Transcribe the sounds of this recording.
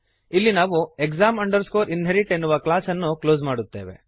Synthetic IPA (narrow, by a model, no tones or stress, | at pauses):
ilːinaːʋuekzaːmɐɳɖɐɾskoːɾinɦeɾiʈenːuʋɐklaːsɐnːukloːzmaːɽut̪ːe̞̰ːʋe̞̰